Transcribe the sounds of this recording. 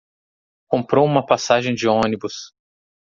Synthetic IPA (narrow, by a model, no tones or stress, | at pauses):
kõmpɾowũmɐpasaʒẽj̃d͡ʒɪõnibus